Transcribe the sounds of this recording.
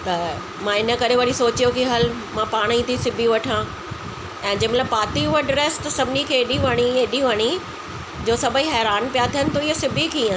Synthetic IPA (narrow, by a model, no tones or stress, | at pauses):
t̪ɐ | mãɪnə̆kɐɾeʋɐɽisoːt͡ɕijokiɦɐl | mãpaːɽ̃ĩt̪ʰisɪbʱiʋɐʈʰã | ɛ̃ːd͡ʑɐ̃mɐtləbpaːt̪iʋəɖɾest̪ɐsɐbʱɪnikʰeːɗiʋɐɽ̃ieɗiʋɐɽ̃i | d͡ʑoːsɐbʱəiɦɛːɾaːnpijat̪ʰiənɪ̆t̪oɪɦosɪbʱikʰeiã